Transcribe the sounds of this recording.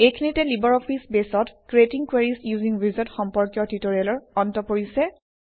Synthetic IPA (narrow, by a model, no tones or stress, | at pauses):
ejkʰinitɛlibɔɹɔpʰisbesɔtkɹetiŋkweɹisjuziŋɹizatxɔmpɔɹkjɔtitoɹialɔɹɔntɔpoɹisɛ